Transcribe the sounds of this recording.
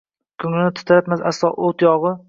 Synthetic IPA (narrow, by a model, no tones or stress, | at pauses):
kʰʊŋɪnɪt̪ʰʊ̥t̪ʰaɾat̪masa̰slˠɒʔot̪jɒʁɨ